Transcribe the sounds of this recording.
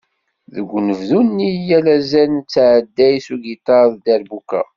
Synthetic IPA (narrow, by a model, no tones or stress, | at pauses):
ðəɡʷːnəvðunːijælæzænt͡sːʕəd̪ːæjsuɡit̪ɑɾðd̪æɾbukːæ̰